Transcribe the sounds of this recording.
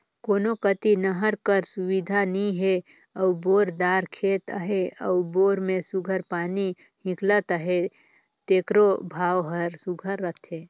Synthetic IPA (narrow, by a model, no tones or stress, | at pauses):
koːnokət̪inəɦəɾkəɾsʊwid̪ʱanĩɦe | əuboːɾd̪aːɾkʰeːt̪ə̰ɦeəʊboːɾmẽsuɡʱəɾpaːni | hɪ̃klət̪əɦe | t̪eːkɾobʱaːwɦəɾsuɡʱəɾːət̪ʰɦeː